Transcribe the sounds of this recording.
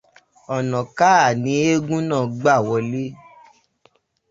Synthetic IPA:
ɔ˨nɔ̃˨ka˦˨nĩ˨˦e˦ɡũ˦nã˦˨ɡ͡ba˦˨wɔ˧le˦

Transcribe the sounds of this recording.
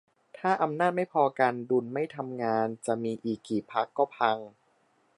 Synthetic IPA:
t̪ʰaː˥˩ʔa˧mnaː˥˩t̪̚ma˥˩jpʰɔː˧ka˧ndu˧nma˥˩jt̪ʰa˧mŋaː˧nt͡ɕa˨˩ʔmiː˧ʔiː˨˩kːiː˨˩k̚pʰa˦˥kːɔː˥˩pʰa˧ŋ

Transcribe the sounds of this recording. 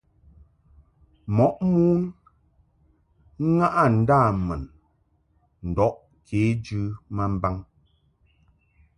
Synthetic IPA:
mɔ˨˦ʔmu˦n | ŋ̩˦ŋa˦ʔa˦˨n̩˨˦daː˦˨mɛ˨n | n̩˨dɔ˦ʔ | kʰeː˨˦d͡ʒʉ˦ma˦m̩˦ba˦ŋ

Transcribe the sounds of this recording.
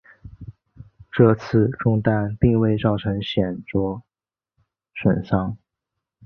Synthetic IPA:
ʈ͡ʂɤ˥˧t͡sʰɹ̩˥˧ʈ͡ʂʊ˥˧ŋt̪a˥˧npi˥˧ŋwe˥˧ɪt͡sɑ˥˩ʊʈ͡ʂʰɤ˧˥ŋɕjɛ˨˩nt͡swɔ˥ | ʂwə˨˩nʂɑ˥ŋ

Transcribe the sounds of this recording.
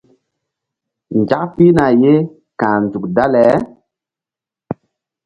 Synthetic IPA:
nd͡ʒa˦kpi˦na˨je˦ | kãː˨n˨zu˨k̚da˦lɛ˨˦

